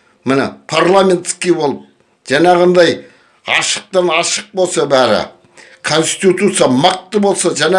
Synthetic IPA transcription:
mɪnɪ̰pʰaɾlˠamʲe̞nt̪skʲijbo̞lˠəp̚ | ʒ̥ɑnɑʁɑnd̪ɑj | ɑ̰ʃə̥q̚t̪ɑnɑʃəq̚bo̞lˠsɑbæɾɪ̰ | kʰo̞nst̪ʲt̪it̪ut̪sɨjɑmɑq̚t̪ːəbo̞lˠsɑʒæne

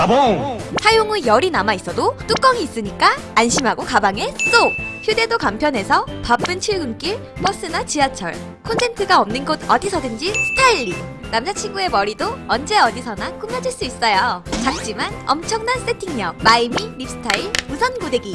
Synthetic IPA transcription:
sʰajoŋɯjʌɾinamais͈ʌdot͈uk͈ʌŋiːs͈ɯɲik͈aː | nɕʰimɦaɡokabaŋe̞t͈oçjude̞dokampʰjʌne̞sʰʌpap͈ɯnt͡ɕʰiɭɡɯmk͈iɭ | pʌs͈ɯnat͡ɕiat͡ɕʰʌ̰ɭ | kʰontʰe̞ntʰɯɡaʌmnɯnɡodʌdisʰʌdɯnd͡ʑisʰɯ̥tʰaiʎːinamd͡ʑat͡ɕʰiŋɡue̞mʌɾidoʌnd͡ʑe̞ʌdisʰʌnak͈umjʌd͡ʑiɭs͈uis͈ʌjot͡ɕak̚t͡ɕ͈imanʌmt͡ɕʰʌŋnans͈etʰiŋɲjʌmaimiɾip̚s͈ʰɯ̥tʰaiɭmusʰʌnɡudeɡi

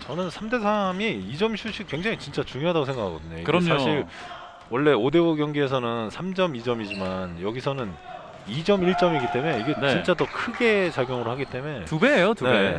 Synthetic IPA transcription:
t͡ɕʌnɯnsʰamde̞sʰamiid͡ʑʌmɕʰuɕ͈ik̚we̞ŋd͡ʑaŋit͡ɕint͡ɕ͈at͡ɕuŋjoɦadaɡosʰe̞ŋɡakʰaɡʌd̪ɯɲo̰kɯɾʌsɲʰaɕʰiɭ | wʌɭːe̞ode̞oɡjʌŋɡie̞s̬ʰʌnɯnsʰamd͡ʑʌmid͡ʑʌmid͡ʑimanjʌɡisʰʌnɯn | id͡ʑʌmiɭt͡ɕ͈ʌmiɡit͈e̞me̞iɡe̞nt͡ɕit͡ɕ͈adokʰɯɡe̞t͡ɕaɡjoŋɯɾoɭhaɡit͈e̞me̞tubejotunee

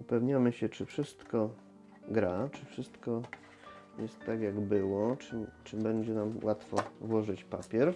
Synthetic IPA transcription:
upɛvɲamɘɕɛt͡ʂɘfʂɘst̪kɔ | ɡɾat͡ʂɘfʂɘst̪kɔ | jɛst̪ːaɡjaɡbɘwɔt͡ʂɘt͡ʂɘbɛɲd͡ʑɛnamwʔat̪fɔvwɔʐɘt͡ɕpapʲjɛɾ

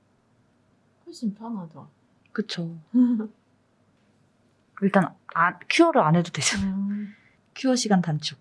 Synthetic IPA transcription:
kɯɕʰimpʰaŋad | kɯt͡ɕʰo | iɭt͈anakʰuʌɾɯane̞dodweɕʌnajo | kʰuwʌɕʰiɡantant͡ɕʰu

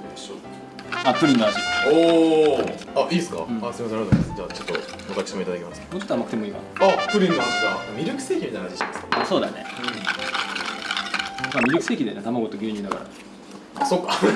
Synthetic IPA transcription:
so | at̪ɯ̟ɾʲĩnːoaɕio | aʔiːsɨ̥kã̰asoɾiasenaɾt̪oesd͡ʑaːt͡ɕot̪ːo̞ | okakɯ̥simoit̪ad̪akʲemasɨ̥moːt͡ɕot̪ːoamakɯ̟t̪emiːka̰naap̪ɯɾʲĩnːoaiamʲiɾʲɨkɯ̟̥se̞ːkimʲit̪ajnaɕiɕit̪emasɨ̥so̞ːd̪a̰ne̞̰ | maːmʲiɾʲɯkɯ̟se̞ːkʲid̪eone̞t̪amaɡo̞t̪oɡʲeːɲ̟ĩnd̪aka̰ɾa̰ | sokːa

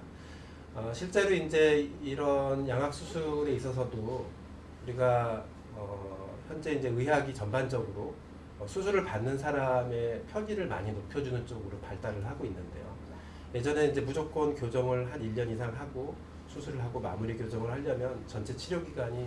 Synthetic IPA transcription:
ʌɕʰiɭt͡ɕ͈e̞ɾoind͡ʑe̞iɾʌnjaŋɦak̚s͈ʰusʰuɾe̞is͈ʌs̬ʰʌdo | uɾiɡa | ʌ | çjʌnd͡ʑe̞ind͡ʑe̞ɯɦaɡit͡ɕʌnband͡ʑʌɡɯɾo | ʌsʰusʰuɾɯɭpanːɯnsʰaɾame̞pʰjʌɲiɾɯɭma̰ɲinopʰjʌd͡ʑunɯnt͡ɕ͈oɡɯɾopaɭt͈aɾɯɭɦaɡoinːɯnde̞̰jo̰ | je̞d͡ʑʌne̞ind͡ʑe̞mud͡ʑok̚k͈wʌnkjod͡ʑʌŋɯɭɦaniʎːʌnisʰaŋɦaɡo | sʰusʰuɾɯɭɦaɡoma̰muɾikjod͡ʑʌŋɯɭhaʎːʌmjʌnt͡ɕʌnt͡ɕʰe̞t͡ɕʰiɾjoɡiɡaɲi

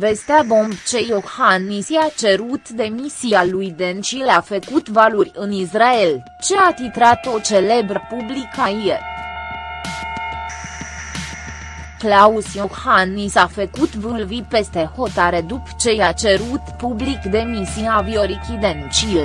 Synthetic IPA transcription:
ve̞st̪eabo̞mbt͡ʃe̞johanːisiat͡ʃe̞ɾut̪d̪e̞misialujd̪ent͡ʃilafəkut̪valurʲɨnisrael | t͡ʃe̞at̪it̪ɾat̪o̞t͡ʃe̞le̞bɾəpublikaje | klausjoxhanːisafəkut̪vɨlvipe̞st̪e̞ho̞t̪aɾe̞d̪upt͡ʃe̞jat͡ʃe̞ɾut̪publikd̪e̞misiavio̞ɾikʲid̪ent͡ʃil

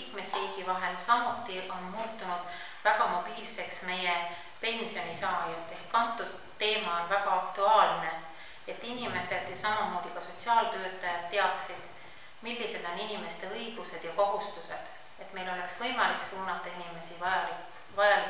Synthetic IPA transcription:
kme̞sriːɡ̥ivɑɦe̞lsɑmut̪ːˑiʔo̞nmuːt̪ːˑunud̪̥ | væɡ̥ɑmo̞b̥iːlse̞ksme̞je | pe̞nsio̞nisɑːjɑd̪e̞hkkɑnt̪ːˑud̪̥ | t̪ːe̞ːmɑonvæɡ̥ɑɑkt̪uɑːlne̞ | et̪ːinime̞se̞d̪̥jɑsɑmɑmo̞ːd̪̥ikɑso̞t̪ʲsiɑːlt̪ø̞ːt̪ːˑɑjɑd̪̚t̪ːe̞ɑksid̪̥ | milːise̞d̪̥o̞ninʲime̞st̪e̞ɤjɡ̥use̞d̪̥jɑko̞ɦust̪use̞d̪̥ | e̞t̪ːme̞jlo̞le̞ksv̥ɤ̞jmɑliksuːnɑt̪ːˑɑinime̞siɑɑ | vɑjɑl

